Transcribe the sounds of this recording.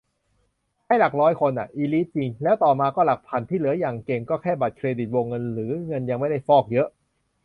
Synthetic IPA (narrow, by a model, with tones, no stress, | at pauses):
haː˥˩jla˨˩k̚ɾɔː˦˥jkʰo˧nʔa˨˩ʔiː˧liː˦˥t̪̚t͡ɕi˧ŋlɛː˦˥wt̪ɔː˨˩maː˧kɔː˥˩la˨˩k̚pʰa˧nt̪ʰiː˥˩lɯ˩˦ɐjaː˨˩ŋke˧ŋkɔː˥˩kʰɛː˥˩ba˨˩t̪̚kʰɾeː˧di˨˩t̪̚wo˧ŋːɤ˧nɾɯː˩˦ŋɤ˧nja˧ŋma˥˩jda˥˩jfɔː˥˩k̚jɤ˦˥ʔ